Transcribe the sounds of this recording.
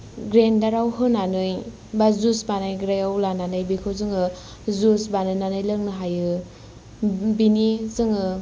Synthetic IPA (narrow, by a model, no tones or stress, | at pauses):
ɡɾendaɾawɦɯnanɯj | bazusbanajɡɾajawlananɯjbikʰɯzɯŋɯ | zusbanɯnanɯjlɯŋnɯɦajɯ | binizɯŋɯ